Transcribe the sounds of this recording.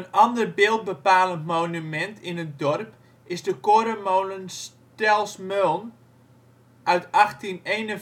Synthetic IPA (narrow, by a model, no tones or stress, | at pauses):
ənɑndərbɪːlˠt̚bəpaːləntmownymɛntʰɪnət̚dɔrp | ɪsdəkoɾəmownəns | tɛlˠsmølˠn | ʔœɥtɑxtineːnən